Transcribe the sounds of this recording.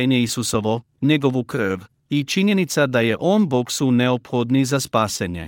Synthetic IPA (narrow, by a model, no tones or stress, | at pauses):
eɲeisuso̞ʋo̞ | ɲe̞ɡo̞ʋukr̩ʋ | it͡ʃiɲje̞nit̪sad̪aje̞ʔoːnboksuneopxod̪nizaspaːseɲḛ